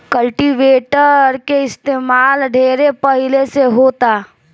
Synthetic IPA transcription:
kəlʈiʋeːʈəɾkeɪst̪eːmaːlɖʱeːɾepəɦɪleseɦoːt̪a

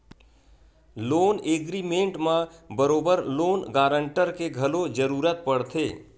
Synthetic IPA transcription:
loːneːɡɾimẽɳʈmãbəɾoːbəɾloːnɡaːɾə̃ɳʈəɾkeɡʱɐlod͡ʒəɾuːɾət̪̚pəɽt̪ʰeː

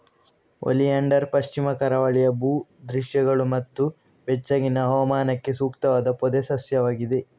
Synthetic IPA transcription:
o̰liɐɳɖɐɾpɐʃt͡ʃimɐkɐɾɐʋɐɭijɐbuːd̪ɾiʃjɐɡɐɭumɐt̪ːu | ʋɛt͡ʃːɐɡinɐɦɐʋɐmaːnɐkːe̞suːkt̪ɐʋaːd̪ɐpɔd̪esɐsjɐʋaːɡid̪e̞

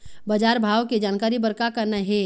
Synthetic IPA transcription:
bəd͡ʒaːɾbʱaːʋked͡ʒaːnkaːɾibəɾkakəɾnaɦe

